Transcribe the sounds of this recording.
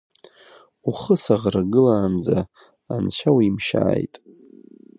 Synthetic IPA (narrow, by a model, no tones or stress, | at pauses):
uχəsaʁraɡɨlaːnd͡za | anʃʷʰawimʃa̰ːjtʼ